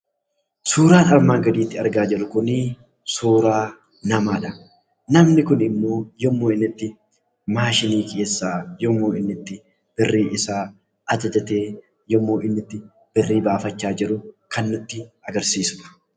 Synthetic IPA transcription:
suːɾaːnɐɾmaːɡɐd̪iːt̪ːɪɐ̰ɾɡaːd͡ʒɛlʊkʊni | suːɾaː | nɐmaːᶑɐ | nɐmnɪkʊnɪmːo̞ːjɔmːoːɪnːɪt̪ːɪ | maːʃɪniːkʰʼe̞ːsːaːjɔmːo̞ːɪnːɪt̪ːɪ | b̥ɪrːiːʔɪsaː | ʔɐd͡ʒɐd͡ʒɐt̪eː | jɔmːo̞ːʔɪnːɪt̪ːɪ | b̥ɪrːiːbaːfɐt͡ʃːaːd͡ʒɪɾʊkʰɐnːʊt̪ːɪɐɡɐɾsiːsʊɐ̥

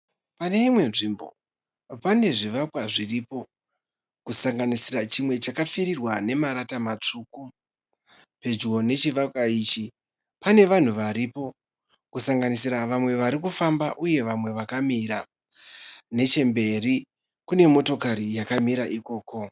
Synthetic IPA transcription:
pane̞imwe̞nʐimbo̞̰ | pane̞ʐiʋakwaʐiripo̞ | kusaŋɡanisiɾat͡ʃimwe̞t͡ʃakafeɾirwane̞maɾatamat͡ʂuːku | pe̞d͡ʒɡo̞ne̞t͡ʃiʋakwaiːt͡ʃi | pane̞ʋan̤uʋaɾipo̞ | kusaŋɡanisiɾaʋamwe̞ʋaɾikufambaʔuje̞ʋamwe̞ʋakamiɾa | ne̞t͡ʃe̞mbe̞ri | kune̞mo̞to̞kaɾijakamiɾaʔiko̞ːko̞

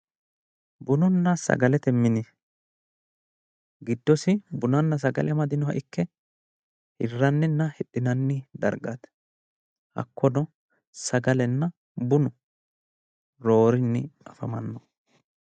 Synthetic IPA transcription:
bʊnʊnːɐsɐ̰ɡɐlɛt̪ɛmːɪnɪ | ɡɪd̪ːɔsɪbʊnɐnːɐs̬ɐɡɐ̰lɪɐmɐd̪ɪnɔɦɐʔɪkːɛ | hɪrːɐnːɪnːɐhɛɗːɪnɐnːɪd̪ɐ̰ɾɡɐt̪ | hɐ̰kːɔnɔ | sɐɡɐlɛnːɐ | bʊnʊ | ɾo̞ːɾɪnːɪɐfɐmɐnːɔ

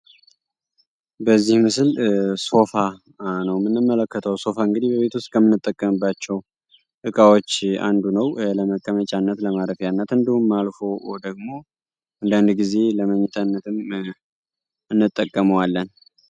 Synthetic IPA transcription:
bəzːihmɨsɨlso̞fa | nəwmɨnːɨmːələkːət̪ʰəwso̞faɨŋɡɨd̪ihbəβe̞t̪wuʊst̪̚ʼkʰəmːɨnːɨt̪ʼːəkʼːəmɨbːat͡ʃːɛw | ʔɨkʼawot͡ʃːa̰nd̪unəwləməkʼːəmət͡ʃʼanːət̪ləmaɾəfjanːət̪ɨnd̪ihumːalfo̞d̪əɡ̚mo̞ | ʔɨnd̪and̪ɡize̞ləməɲːɛt̪ʰənːət̪ʰɨm | ʔɨnːɨt̪ʼːəkʼːəməwalːən

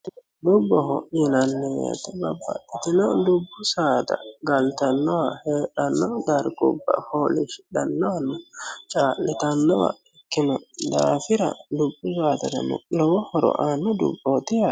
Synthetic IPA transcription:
dubːɔhɔ̰jinanːijɛ̰t̪ababːa̰ɗːit̪inɔdubːusaːd̪a̰ɡalt̪anːɔwahɛːɗanːɔdaɾɡɔ̰bːa̰holiʃi̥ɗanːɔwanɔt͡ʃʼaːlɛt̪anːɔwa̰ikːinɔd̪aːfiɾa̰dubːusaːt̪ada̰nṵʔnɔwɔhɔɾɔ̰ʔanːɔdṵbːɔt̪ija

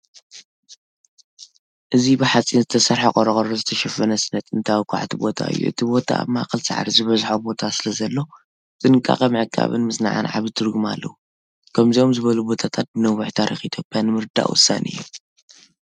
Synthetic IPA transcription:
ʔɨzibɨħat͡sʼinzɨt̪ʰɐsɐɾħakʼɔɾɐkʼɐɾozɨt̪ʰɐʃɐfɐnɐsɨnɐt̪ʰʼɨnt̪ʰawkʷʰa̰ʕt̪ʰibo̞t̪ʰa̰ɨ̰jːṵʔɨ̰t̪ʰibo̞t̪ʰa̰ma̰kʼɨlsa̰ʕa̰ɾizɨβɐzħobo̞t̪ʰasɨlɐzɐlːo̞ | t͡st̪ʼɨnɨkʼa̰kʼɐmɨʕɨkʰːa̰βɨ̰nmɨsna̰ʕa̰nʕa̰βɨd̪ɨɾɡɨma̰lːɐ̰wu | kʰɐmziomzɨβɐlubo̞t̪ʰat̪ʰat̪̚ɨnɐwuħt̪ʰaɾixʔit̪ʰjo̞pʼjanɨmɨɾd̪a̰ʔwʊ̰sːa̰nʔɨ̰jːṵ

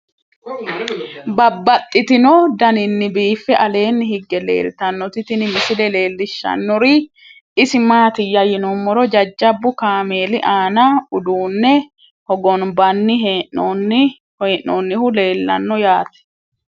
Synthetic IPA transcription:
bɐbːɐt̪ʼːɪt̪ɪnɔd̪ɐnɪnːɪbiːfːɛʔɐle̞ːnːɪhɪɡːɛlḛːlt̪ɐnːɔt̪ɪt̪ɪnɪmɪsɪlɛle̞ːlːɪʃːɐ̰nːɔɾɪ | ɪsɪmaːt̪ɪjːɐjɪnɔmːɔɾɔd͡ʒɐd͡ʒːɐbːʊkaːme̞ːlɪʔaːnɐʊd̪uːnːɛ | hɔɡɔnbɐnːɪɦeʔɔn | hɔʔnɔnːɪhʊle̞ːlːɐ̰nːɔjaːt̪ɛ̥

